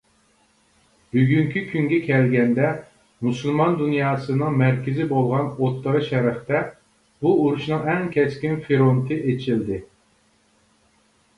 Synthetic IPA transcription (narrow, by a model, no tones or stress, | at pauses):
b̥yɡʲyŋkʲʰykʲʰyŋɡʲɛkʲʰɛlɡʲɛnd̪ɛ | musulˠmɑnd̪unjɑːsɨnɨŋmæɾkʲʰɪzɪbolˠʁɑnot̪ʰːəʁɨʃɛɾɪχt̪ɛ | buuɾuʃnɨŋɛŋkʲʰɛskʲinfeɾont̪ʰɨʔet͡ʃʰild̪ɪ